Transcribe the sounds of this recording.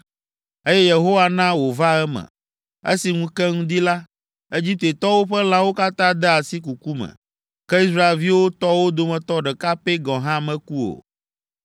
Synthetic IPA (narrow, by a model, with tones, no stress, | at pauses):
e˦jɛ˦je˨ɦo˦wa˨nã˦wo˨va˦ɛ˦mɛ̰̃˨ | ḛ˦si˨ŋũ˦kɛ˦ŋũ˦d̪i˦la˦ | e˦d͡ʑi˦t̪e˨t̪ɔ˦wo˦ɸɛ˦lã˦wo˦ka˦t̪ã˦d̪ɛ˦a˨si˦ku˨ku˦mɛ̰̃˨ | kɛ˦i˦s̬ɾa˦e˨lvi˦wo˦t̪ɔ˦wo˦d̪o˨mɛ̃˨t̪ɔ˦ɖɛ˨ka˦pe˦ɡɔ̃˨ɦã˦mɛ̃˦ku˦o̰˨